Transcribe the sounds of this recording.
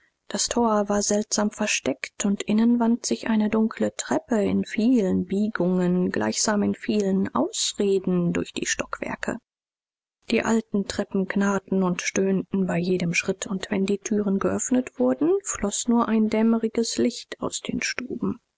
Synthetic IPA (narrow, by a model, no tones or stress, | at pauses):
d̥astʰoːɐvaːɐzɛltz̥aːmfɛɐʃtɛktʰʊntʔɪnənvantz̥ɪçʔaɪnədʊŋkʰlətʁ̥ɛpəɪ̰nfiːlənbiːɡʊŋənɡla̰ɪçz̥aːmɪnfiːlənʔa̰ʊsʁeːdn̩dʊɐçd̥ḭːʃtɔkv̥ɛ̰ɐkʰə̰ | d̥iːʔa̰ltn̩tʁ̥ɛpm̩knaːtn̩ʊntʃtøːntn̩baɪjeːdəmʃʁ̥ɪtʰʊntv̥ɛndiːtʰyːʁənɡəʔœfnətv̥ʊɐdn̩flɔsnuːɐʔaɪndɛməʁɪɡəslɪçta̰ʊsd̥eːnʃtuːbm̩